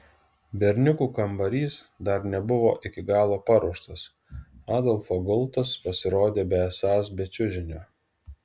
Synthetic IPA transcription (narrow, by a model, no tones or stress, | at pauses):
bʲɛɾʲnʲʊkuːkɐmbɐɾʲiːsd̪ɐɾnʲɛbʊʋo̰ːʔɪkʲɪɡɑːlˠoːpɑɾuɔʃt̪ɐs | ɑːd̪ɔlˠfoɡʊlˠˑt̪ɐspɐsʲɪɾoːd̪ʲeːbʲɛɛsɑːsbʲɛt͡ʃʲʊʒʲɪnʲoː